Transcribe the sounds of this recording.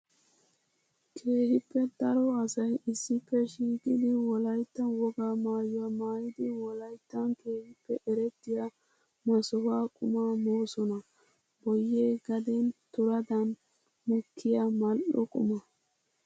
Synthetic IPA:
kʰe̞ːhɪpʰːɛd̪ɐɾɔɐsɐjɪsːɪpːɛʃiːkʼɪd̪ɪwɔlɐjt̪ːɐwɔɡaːmaːjʊwamaːjɪd̪ɪwɔlɐjt̪ːɐnkeːhɪpːɛʔɛɾɛt̪ːɪja | mɐsɔwaːkʼʊmamoːsɔnɐ | bɔjːeːɡɐd̪ɛnt̪ʊɾɐd̪ɐn | mʊkʰːɪjamɐlʔɔ̰kʼʊ̰mɐ

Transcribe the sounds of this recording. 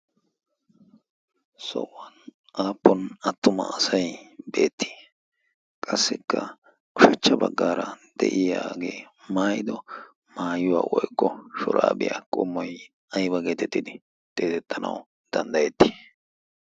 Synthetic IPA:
sɔ̰wːɐn | ʔaːpːɔnɐt̪ːʊmɐ̰ɐsɐjbe̞ːt̪ːi̥ː | kʼɐsːɪkːɐ | kʊʃɐt͡ʃːɐbɐɡːaːɾɐd̪̥ɛ̰ʔɪjaːɡe̞ː | maːjɪd̪ɔ | maːjʊwa̰ːwɔjkʼːɔʃɔ̰ɾaːbɪ̰jakʼɔmːɔj | ɐjbɐɡeːt̪ɛt̪ːɪd̪ɪ | d̪̥ʼeːt̪ɛt̪ʰːɐnɐ̰w | d̪̥ɐnd̪ɐjɛt̪ːi̥

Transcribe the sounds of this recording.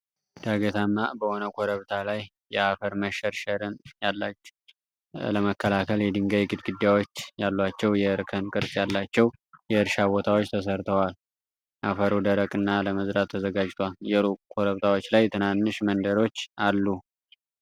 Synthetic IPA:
d̪̥aɡət̪ʰamːabəhonəkʰoɾəβt̪ʰalajː | ɛafəɾməʃɛɾʃəɾɨnjalːat͡ʃː | ləməkːəlakʰəljɛd̪ɨŋɡəjɡɨd̪ɡɨd̪ːjawo̞t͡ʃːjalːat͡ʃːɛwjɛɨɾkʰənkʼɨɾsʼjalːat͡ʃːɛwjɛɨɾʃabot̪ʰawot͡ʃːt̪ʰəs̬əɾt̪ʰəwal | ʔafəɾod̪əɾəkʼɨnːaləməzɾat̪ʰːəzəɡad͡ʒt̪ʰwaljɛɾukʰoɾəβt̪ʰawo̞t͡ʃːlajt̪ʰɨnanːɨʃmənd̪əɾo̞t͡ʃːalːu

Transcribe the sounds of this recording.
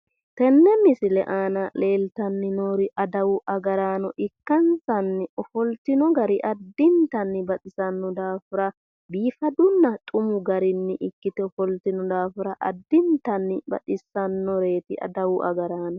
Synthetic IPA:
t̪ɛnːɛmɪsɪlɛʔaːnɐle̞ːlt̪ɐnːɪnoːɾɪʔɐd̪ɐwʊʔɐɡɐɾaːnɔʔɪkːɐnsɐnːɪɔfɔlt̪ɪnɔɡɐɾɪʔɐd̪ːɪnt̪ɐnːɪbɐt̪ʼɪsɐnːɔd̪aːfɪɾɐ | biːfɐd̪ʊnːɐt̪ʼʊmʊɡɐɾɪnːɪʔɪkːɪt̪ɛɔfɔlt̪ɪnɔd̪aːfɪɾɐʔɐ̰d̪ːɪnt̪ɐnːɪbɐ̰tʼɪsɐnːɔɾe̞ːt̪ɪʔɐ̰d̪ɐwʊʔɐ̰ɡɐɾaːnɔ

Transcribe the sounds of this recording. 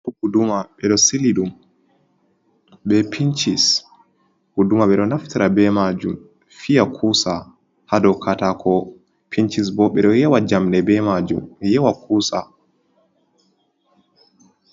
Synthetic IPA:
ɔɡudumaɓɛɗɔsiliɗum | ɓɛpʰint͡ʃis | ɡudumaɓɛɗɔnaftiɾabɛmad͡ʒum | fijakʰusa | hadɔkʰatakʰɔ | pʰint͡ʃisbɔɓɛɗɔjɛwad͡ʒamɗɛbɛmad͡ʒṵmjɛwakʰuːsa

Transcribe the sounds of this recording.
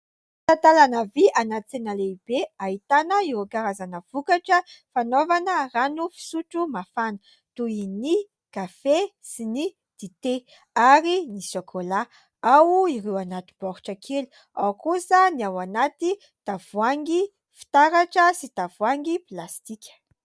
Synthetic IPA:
t̪at̪alanəviʔanat͡senəleib̥eaɦit̪anəiɾukaɾazanəv̥ukaʈ͡ʂəfanovanəranufi̥suʈ͡ʂumafanə | t̪uini | kafesini | d̪̥it̪e | aɾinisokʰola | awiɾewanat̪i̥b̥ɔɾu̥ʈ͡ʂəkʰelu̥ | awkusəniawanat̪i | t̪av̥uaŋɡi | fi̥t̪aɾaʈ͡ʂəsit̪avuaŋɡiplast̪ikʲə̥

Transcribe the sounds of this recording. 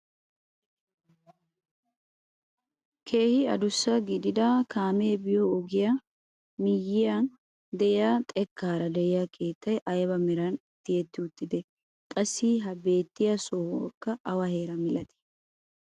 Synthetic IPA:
kʰe̞ːhɪɐd̪ʊsːɐɡɪd̪ɪd̪ɐkʰaːmeːbɪjɔɔɡɪja | mɪjːɪjan | d̪ɛɪjaːt̪ʼɛkːaːɾɐd̪ɛɪjakʰe̞ːt̪ːɐjʔɐjbɐmɛɾɐn | t̪ːɪjɛt̪ːɪʊt̪ːɪd̪ɛ | kʼɐsːiɦɐbe̞ːt̪ːɪjɐsohkːɐʔːwɐhe̞ːɾɐmɪlɐt̪ɪ̥

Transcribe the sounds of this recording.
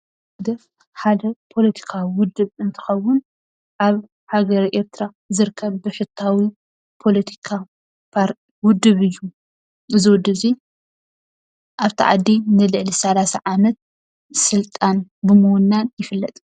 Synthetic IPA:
ad̪ɐ | ħad̪ɐpʰo̞lɐt̪ʰi̥kʰawiwʊd̪ːɨβɨnt̪ʰɨ̥xɐwːʊn | ʔaβ | haɡɐɾiʔe̞ɾt̪ʰɾa | zɨɾkʰːɐβbɨħɨt̪ʰːawi | pʰo̞lɐt̪ʰi̥kʰa | pʰaɾt | wʊd̪ːɨβɨjːu | ɨziwɔd̪ːɨzi | ʔaβt̪ʰiʕa̰d̪ːinɨlɨʕlisɐlasaʕamɐt̪̚ | sɨlt̪ʼanbɨmunːanjɪfɨlːɐt̪ʼ

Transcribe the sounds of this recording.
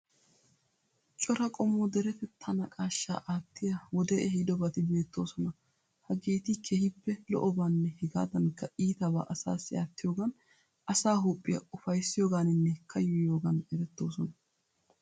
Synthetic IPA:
t͡ʃʼɔɾɐkʼɔmːod̪ɛɾɛfɛt̪ʰːɐnɐkʼaːʃːa̰ːʔaːt̪ːɪjɐwɔd̪ɛʔɛhid̪ɔbɐt̪ɪbe̞ːt̪ʰːo̞ːsɔnɐ | hɐɡeːt̪ɪkʰeːhɪpːɛlɔ̰ʔɔbaːnːɛhɪɡa̰ːd̪ɐnkːɐiːt̪ɐba̰ːʔɐsa̰ːsːɪaːt̪ːɪjo̞ːɡɐn | ɐsaːɦupʼːɪjɐ̰ʔʊfɐjsːɪjo̞ːɡaːnɪnːɛkʰɐjɔjo̞ːɡɐnɛɾɛt̪ːo̞ːsɔnɐ

